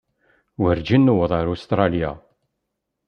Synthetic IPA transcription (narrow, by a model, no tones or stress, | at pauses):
wəɾd͡ʒinːuwəðˤɑɾust̪ɾˤɑlja̰